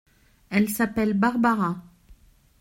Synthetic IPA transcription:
ɛlsapɛlbaʁbaʁa

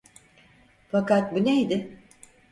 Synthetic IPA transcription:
fakat̪̚bunejd̪ɪ

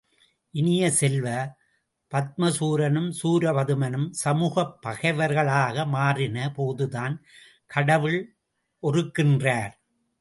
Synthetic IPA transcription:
ʔɪnɪjɐsɛlʋɐ | pɐt̪̚mɐsuːɾɐnɯmsuːɾɐʋɐðɯmɐnɯmsɐmuːɣɐpːɐɣɐɪʋɐɾɣɐɭaːɣɐmaːrɪnɐpoːðɯðaːn | kʰɐɽɐʋɪɭ | ʔɔrɯkːɪndraːɾ

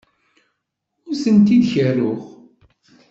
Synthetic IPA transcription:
ʊɾsənt̪iðçərːʊʁ

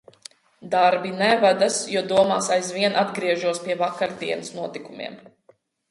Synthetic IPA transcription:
d̪aɾbinɛvad̪asjuɔd̪uɔma̰ːsajzviɛnʔad̪ɡɾiɛʒuɔspiɛvakaɾd̪iɛnɨsnuɔt̪ikumʲḭɛm

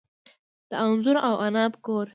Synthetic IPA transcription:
d̪̥əanzʊɾawʔanɑːpkoːɾ

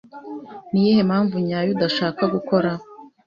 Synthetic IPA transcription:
nijehemhaːɱvuɲaːjudaʃaːkaɡuko̞ɾa

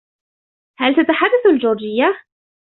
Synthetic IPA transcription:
halt̪at̪aħad̪ːaθald͡ʒʊːɾd͡ʒɪjːa

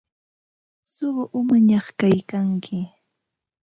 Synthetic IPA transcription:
soɢʔʊmaɲɑχkajkaŋkʰɪ

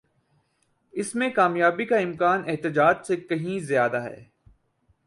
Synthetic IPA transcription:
ɪsmẽkaːmjaːbikaɪmkaːnɛɦt̪ɪd͡ʒaːd͡ʒsekɐɦĩzjaːd̪aɦɛ̰ː

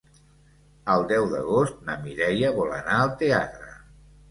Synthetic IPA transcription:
əlˠd̪ɛwðə̰ɣost̪̚nəmiɾɛjəβɔlənaəlˠt̪ea̰t̪ɾə

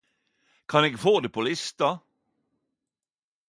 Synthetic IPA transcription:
kʰɑneːɡfoːd̪eːpʰoːlɪst̪ɑ

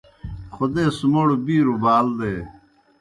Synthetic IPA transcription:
xod̪eːsumoɽubiːɾubaːld̪eː

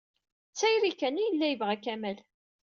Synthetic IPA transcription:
t͡sːæjɾikːænijəlːæjəvʁækæmæl

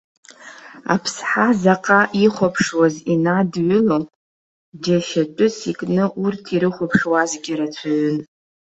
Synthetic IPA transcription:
a̰pʰsħazaqʼaʔiχʷapʰʂwazinadʕʷʊlo | d͡ʒaʃatʷʼʊsikʼnɨʔurtʰiɾɨχʷapʰʂwazɡʲɪɾat͡sʷʰaɥʊn

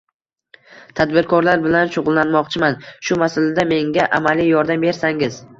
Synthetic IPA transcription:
t̪ʰad̪bɪɾkʰɒɾlaɾbɪlanʃʊʁʊlˠlːanmɒqt͡ʃʰɪmanʃʊmasalad̪ame̞ŋɡʲaʔa̰malijjɒɾd̪ambe̞ɾsaŋɪz̥

